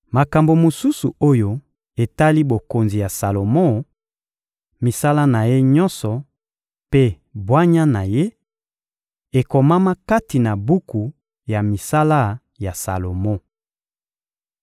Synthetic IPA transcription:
ma˨ka˨mbo˨mo˨su˦sṵ˨o˦jo˦ | e˨ta˦li˦bo˨ko˨nzi˨ja˨sa˨lo˨mɔ˦ | mi˨sa˦la˦na˨je˦ɲɔ˦nsɔ˨ | pe˦ | bwa˦ɲa˦na˨je˦ | e˨ko˨ma˦ma˦ka˦ti˨na˨bu˦ku˨ | ja˨mi˨sa˦la˦ | ja˨sa̰˨lo˨mɔ˦˨

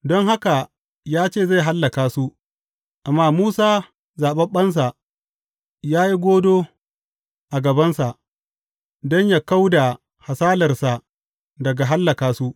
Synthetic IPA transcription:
dɔ˦ŋha˦ka˨ | jaː˦t͡ʃeː˦˨za˦˨jɦa˦lːɐ˨kaː˨su˦ | ʔa˨mːaː˦muː˦saː˦ | zaː˨ɓɐ˦mɓɐ˦ns̬a˨ | jaː˦ji˦ɡʷoː˦doː˦ | ʔa˨ɡɐ˨bɐ˦nsa˨ʔ | dɔ˦ɲjaː˦ka˦wda˨ | ha˨saː˦lɐ˨rsa˨ | dɐ˨ɡa˨ɦa˦lːɐ˨kaː˨su˦ʔ

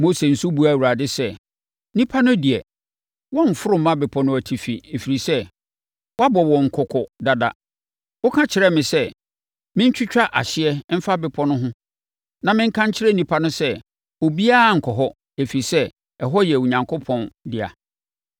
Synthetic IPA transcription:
mo˦se˨n̩˨su˦bu˨˦a˨wu˨ɾa˨dɪ˦sɛ˦˨ | nĩ˦pʰa˦nʊ̃˦di˨ɛ˨ | wɔ̃˦ɱ̩˨fʊ˦ɾʊ˦mːã˦bɪ˨pʰɔ̃˨˦nʊ̃˦˨æ˨tʰi˨fi˨e˨fi˨ɾi˨sɛ˦ | wɔ˦a˦bɔ˨wɔ̃˨ŋ̩˨kʰʊ˨kʰɔ˨da˨da̰˦ | wʊ˦kʰã˦t͡ɕʰɪ˨ɾɛ˦mɪ̃˨sɛ˦ | mɪ̃˦ɲ˦t͡ɕᶣʰʊ˦t͡ɕᶣa˦ʔa̰˨ɕɪ˦ɛ˦m̩˦fa˦bɪ˨pʰɔ˦nʊ̃˦ɦʊ̃˦ | nã˨mɪ̃˦ŋ̩˦kʰã˦ɲt͡ɕʰɪ˦ɾɛ˦nĩ˨pʰa˦nʊ̃˦sɛ˦˨ | o˨bi˦a˦˨ŋ̩˨kʰɔ˨ɦɔ˦ | e˨fi˨ɾi˨sɛ˦ | ɛ˨ɦɔ˦jɛ˨wʊ˨ɲã˨ŋkʰo˦pʰɔ̃˨ndɪ˨a̰˨

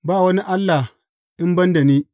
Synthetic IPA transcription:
baː˦˨wɐ˦ni˦ʔa˦lːa˨ | ʔɪ˦mbɐ˦nda˨niː˦

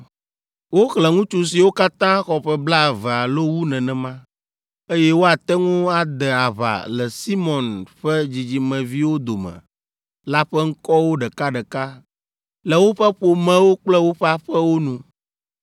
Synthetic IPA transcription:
wo˦xlɛ˨ŋũ˦t͡ʃu˦s̬i˨wo˦ka˦t̪ã˦xɔ˨ɸɛ˦bla˦˨vɛ˨a˨lo˦wu˦nɛ̃˨nɛ̃˨mã˦ | e˦jɛ˦wo˦a˨t̪ɛ˦ŋũ˦a˨d̪ɛ˨a˨βa̰˨lɛ˨si˦mɔ̃˨nɸɛ˦d͡ʑi˨d͡ʑi˨mɛ̃˨vi˦wo˦d̪o˨mɛ̰̃˨ | la˦ɸɛ˦ŋ̩˦kɔ˦wo˦ɖɛ˨ka˦ɖɛ˨ka˦ | lɛ˨wo˦ɸɛ˦ɸo˨mɛ̃˦wo˦k͡plɛ˦wo˦ɸɛ˦a˦ɸɛ˦wo˦nũ˦

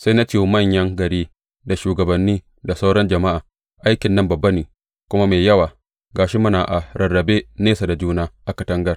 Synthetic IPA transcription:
sa˦jna˦t͡ʃeː˦˨mɐ˦˨ɲjɐ˦ŋɡɐ˨ɾiː˦ | da˨ʃuː˨ɡɐ˨bɐ˨nːiː˦ | da˨sa˦wɽɔ˦nd͡ʒɐ˨ma˦ʔaː˨ | ʔa˦jkʲɪ˨nːɐ˦mbɐ˨bːɐ˦niː˨ | kʷʊ˦ma˦meː˨jjɐ˦waː˨ | ɡaː˨ʃi˦mʊ˦naː˨ʔa˨ɾɐ˨rːɐ˨beː˦neː˦sa˨da˨d͡ʒuː˦naː˦ʔa˦kɐ˨tɐ˦ŋɡɐ˦r

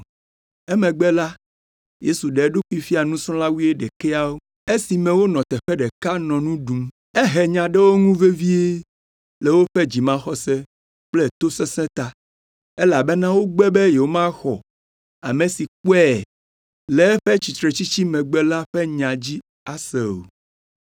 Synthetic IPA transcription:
ɛ˦mɛ̃˨ɡ͡bɛ˦la˦ | je˦su˨ɖe˨˦ɖo˦ku˦i˦fi˦a˨nũ˦sɔ̃˦la˦wi˦e˦ɖɛ˨kɛ˦a˦wo˦ | e˦si˨mɛ̃˨wo˦nɔ̃˨t̪ɛ˨ɸɛ˦ɖɛ˨ka˦nɔ̃˨nũ˦ɖũ˨m | ɛ˦ɦɛ˨ɲã˨ɖɛ˦wo˦ŋũ˦ve˦vi˦e˦ | le˨wo˦ɸɛ˦d͡ʑi˨mã˦xɔ˨sɛ˦ | k͡plɛ˦t̪o˦sɛ˦sɛ̃˦t̪a˦ | e˦la˨be˦nã˦wo˦ɡ͡bɛ˦bɛ˦je˨wo˦mã˦xɔ˨ | a̰˨mẽ˨si˨k͡pɛ˦˨ | lɛ˨˦ɸɛ˦t͡ɕi˨t̪ɾe˨t͡ɕi˦t͡ɕi˦mɛ̃˨ɡ͡bɛ˦la˦ɸɛ˦ɲã˨d͡ʑi˦ | a˨se˨o̰˨

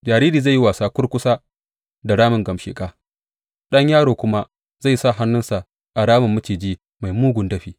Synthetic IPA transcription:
d͡ʒaː˨ɾiː˦ɾiː˨za˦˨jːi˦waː˨saː˨kʷʊ˦rkʷʊ˦saː˦ | da˨ɽaː˦mɪ˨ŋɡɐ˨mʃḛː˨kʼaː˦ | ɗɐ˦ɲjaː˦ɽoː˨kʷʊ˦ma˦ | za˦˨jsa˦˨ɦa˦nːʊ˦nsa˨ʔ | ʔa˨ɽaː˦mɪ˨mːʊ˦t͡ʃiː˨d͡ʒiː˦ | ma˨jmuː˦ɡʷʊ˨ndɐ˦ɸiː˦

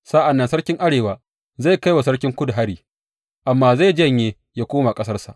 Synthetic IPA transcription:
saː˦ʔa˨nːɐ˦nsɐ˦rkʲɪ˦ŋʔa˦ɽeː˨waː˦ | za˦˨jka˦jwa˨s̬ɐ˦ɽkʲɪ˦ŋkʷʊ˦du˨ɦa˦ɽiː˨ | ʔa˨mːaː˦za˦˨d͡ʒɐ˦˨ɲjeː˦ | jaː˦kʷoː˦ma˨kʼɐ˦sɐ˦rsa˨ʔ

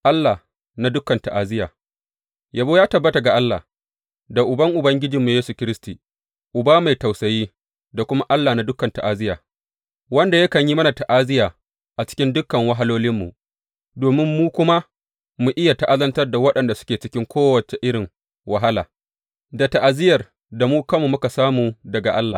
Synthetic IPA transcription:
ʔa˦lːa˨ | na˦dʊ˦kːɐ˨nta˨ʔa˨zɪ˦jaː˨ | ja˨boː˦jaː˦tɐ˨bːɐ˦ta˨ɡa˨ʔa˦lːaː˨ | da˨ʔʊ˨bɐ˦ŋʔʊ˨bɐ˦ŋɡʲɪ˦d͡ʒiː˨mːu˨jeː˦su˨kʲɪ˦ɾɪ˦stiː˨ | ʔʊ˨baː˦ma˨jta˨wsɐ˨jiː˦ | da˨kʷʊ˦ma˦ʔa˦lːa˨na˦dʊ˦kːɐ˨nta˨ʔa˨zɪ˦jaː˨ | wɐ˦nda˨jɐ˦kɐ˨ɲji˦mɐ˦na˨ta˨ʔa˦zɪ˦jaː˨ | ʔa˨t͡ʃɪ̥˦kʲɪ˦ndʊ˦kːɐ˨ŋwɐ˦ɦa˦loː˦lɪ˦mːṵ˨ʔ | doː˨mɪ˦mːuː˦kʷʊ˦ma˦ | mu˨ʔɪ˦ja˨ta˨ʔa˦lɐ˦ntɐ˦rda˨wɐ˦ɗɐ˨nda˨sʊ̥˦kʲeː˨t͡ʃɪ˦kʲɪ˦ŋkʷoː˦wɐ˨t͡ʃe˨ʔɪ˦ɽɪ˨ŋ | wa˨ɦa˦la̰ː˨ | da˨ta˨ʔa˨zɪ˦jɐ˨r | da˨muː˦kɐ˦mu˨mʊ˦ka˨saː˦muː˨dɐ˨ɡa˨ʔa˦lːa̰ː˨

